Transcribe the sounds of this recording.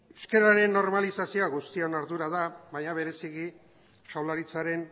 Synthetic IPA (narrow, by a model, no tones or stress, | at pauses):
eske̞ɾaɾe̞nːo̞ɾmalisasioaɣust̪ionaɾðuɾaðaβaɲaβ̞e̞ɾe̞siɣi | ʃawlaɾit͡saɾe̞n